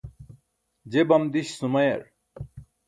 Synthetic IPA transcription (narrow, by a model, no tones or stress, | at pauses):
d͡ʑebɐmd̪iɕsumɐjɐ̰ɾ